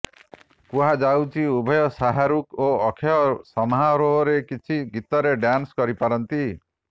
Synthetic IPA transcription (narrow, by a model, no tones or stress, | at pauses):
kuɦad͡ʒawt͡ʃʰiubʱɔjɔsaɦaɾukoɔkʰeɔsɔmɦaɾoɦɔɾekit͡ʃʰiɡit̪ɔɾeɖjanskɔɾipaɾɔnt̪i